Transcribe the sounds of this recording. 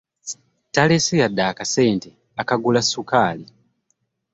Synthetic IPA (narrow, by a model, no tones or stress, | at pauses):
talesijadːaːkase̞ːnte | akaɡulasːukaːli